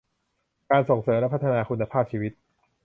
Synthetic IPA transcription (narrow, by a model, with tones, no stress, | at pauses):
kaː˧nso˨˩ŋsɤː˩˦mlɛ˦˥pʰa˦˥t̪ʰːa˧naː˧kʰu˧nːa˧pʰaː˥˩p̚t͡ɕʰiː˧wi˦˥t̪̚